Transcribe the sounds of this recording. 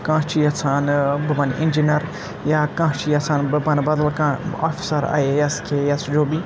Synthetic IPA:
kãːt͡ʃʰijɐt͡sʰaːnbɐbɐnʔḭnd͡ʒinɐɾ | jaːkãːt͡ʃʰijɐt͡sʰaːnbɨbɐnbɐd̪lkãa̰ːfi̥sɐɾa̰ejɐskʰejɐsd͡ʒoːbi

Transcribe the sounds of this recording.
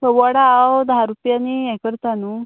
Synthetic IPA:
əʋɔɽaːwd̪aɦaɾupjaniɛkəɾt̪anu

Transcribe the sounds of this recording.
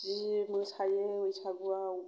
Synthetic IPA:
zimɯsajeɯjsaɡuau

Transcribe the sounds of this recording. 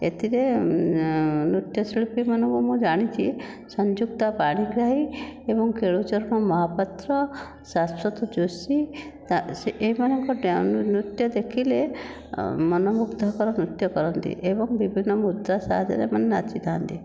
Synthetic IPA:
ḛt̪iɾe | nɾut̪jɔsiɭpimɔnɔbɔmũd͡ʒaɽ̃it͡ʃʰi | sɔɲd͡ʒukt̪apaɽ̃iɡɾaɦiebɔŋkeɭut͡ʃɔɾnɔmɔɦapat̪ɾɔ | sasɾɔt̪ɔd͡ʒusi | aeeɦimanɔŋkɔɖnut̪jɔd̪ekʰile | mɔnɔmuɡd̪ʱɔkɔɾɔnɾut̪jɔkɔɾɔnt̪ḭʔebɔŋbibʱinːɔmud̪ɾasa̰d̪ʱaɾḛmanenat͡ʃit̪ʰant̪i

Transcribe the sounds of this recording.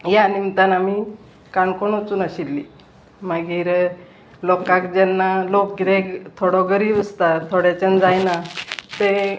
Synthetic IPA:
janimt̪anami | kaɳkoɳot͡suːnaɕilːi | maɡiːɾ | lɔkãkd͡ʑɛnːalokɾekt̪ʰoɽɔɡəɾiːbəst̪at̪ʰoɽjat͡ɕənd͡zajnat̪e

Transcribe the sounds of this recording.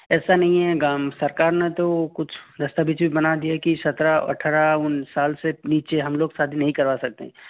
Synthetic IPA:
ɛːsanɐɦĩɦɛɡaːmsɐɾkaːɾnet̪okʊt͡ʃʰd̪ɐst̪abiːt͡ʃbʱibɐnad̪ijakisɐt̪ɾaɐ̰ʈʰːɾaʊnsaːlseniːt͡ʃeɦɐmloːɡsaːd̪ʱinɐɦĩkɐɾʋaːsɐk̚t̪ḛɦɛ̃ː

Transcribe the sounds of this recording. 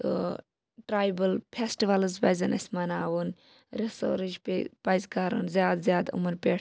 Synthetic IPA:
ʈɾaːjbəlpʰesʈiʋɐlɨzbɐjzɐnɐ̰sʲmɐnaːʋun | ɾiso̰ːɾid͡ʒppɐjzkaːɾɐ̰nzjaːd̪zʲjaːd̪ṵmɐɾpʲeʈʰ

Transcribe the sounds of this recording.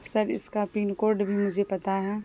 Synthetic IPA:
səɾɪ̰skapiːnkoːɾɖbʱimʊd͡ʒʱepɐt̪aɦɛ

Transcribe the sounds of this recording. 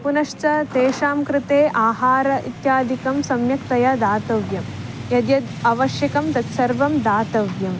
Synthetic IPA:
punɐʂt͡ʃɐt̪eːʃaːmkɾɪt̪eːʔaːɦaːɾɐʔit̪jaːd̪ʱikɐmsɐmjɐkt̪ɐjɐd̪aːt̪ɐʋjɐm | jɐd̪jɐd̪ɐʋɐʃjɐkɐmt̪ɐt̪sɐɾʋɐmd̪aːt̪ɐʋjɐm

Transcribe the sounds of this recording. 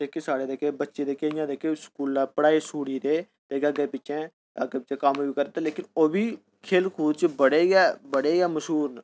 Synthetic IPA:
d̪eːkesaːɽeːd̪eːkeːbətːʃeːd̪eːkeːɪjãːd̪eːkeskuːlːapəɽaːiːsuːɽiːɾeː | t̪eːkeaɡepɪt͡ʃɛ̃ː | əɡeːpɪt͡ʃẽːkəmobiːkəɾt̪aleːkɪnoːbiː | kʰeːlkʰuːd̪t͡ʃəbəɽeːɡɛːbəɽeːɡɛːməʃɦuːɾn

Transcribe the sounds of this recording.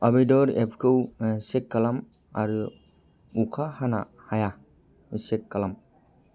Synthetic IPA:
abijdɔɾepʰkʰɯwsekːalam | a̰ɾɯ | ukʰahana̰ | haja | sekːalam

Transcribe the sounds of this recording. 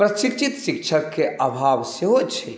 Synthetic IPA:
pɾəʃik̚t͡ʃit̪sikt͡ʃʰəkːeʔabʱaʋseɦot͡ʃʰɛ

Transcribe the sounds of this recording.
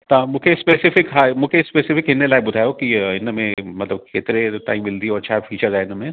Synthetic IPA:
t̪amʊ̃kʰespeːsɪfɪkɦamʊkʰespeːsɪfɪkɦɪnːelajbʊd̪ʱaːjokiɪnəmẽmɐt̪ləb̚ket̪ɾeʈa̰ːimbɪld̪iɔːɾt͡ʃʰaːfiːt͡ʃəɾzaːeɪnəmẽ

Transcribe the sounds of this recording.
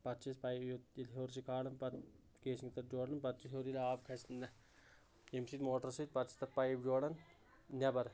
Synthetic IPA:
pɐt̪t͡ʃispɐot̪ilɦoːɾs̬ikaːɽɐnpɐt̪ | keːsiŋt̪ɐt̪̚d͡ʒoːɽɐnpɐt̪̚t͡ʃisɦoɾilʲaːbkʰɐst̪nɐ | emsit̪moːʈɐɾsit̪̚ʲpɐt̪t͡ʃi̥st̪ɐt̪̚pɐjibd͡ʒoːɽɐn | nʲɐbɐɾ

